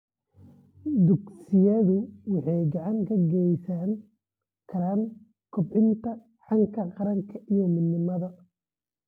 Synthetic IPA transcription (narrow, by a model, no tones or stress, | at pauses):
d̪ʊɡsɪjɐðʊwɑħɑjɡɑʕɑŋkʰɐɡɛjsaːn | kʰɐɾan | kʰʊbʕɪnt̪ʰɐ | ħɑŋkʰɐqɑɾɐŋkʰɐʔijɔmɪnːɪmɐðɐ